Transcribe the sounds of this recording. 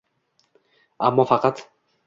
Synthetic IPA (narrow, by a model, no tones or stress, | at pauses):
ʔamːɔfaqɑt̪